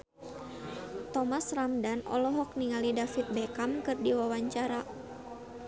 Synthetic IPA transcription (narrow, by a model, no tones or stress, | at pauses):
t̪ɔmasramdanɔ̰lɔɦɔk̚niŋalidafit̪̚bɛkamkɨrdiwawaɲt͡ʃaɾa